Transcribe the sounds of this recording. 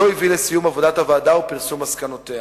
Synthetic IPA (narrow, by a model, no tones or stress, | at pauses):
oivilesijumɐvod̪at̪ɐvaːd̪aupeɾsumɐskɐnot̪e